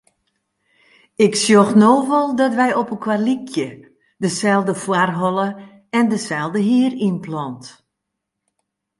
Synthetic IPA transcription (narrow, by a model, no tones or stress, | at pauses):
ɪksjoxnoːvɔlˠdɔtʋɛjɔpənkʰwarlikʰjə | dəsɛlˠdəfwarɦɔlˠə | ɛndəsɛlˠdəɦiərinplɔnt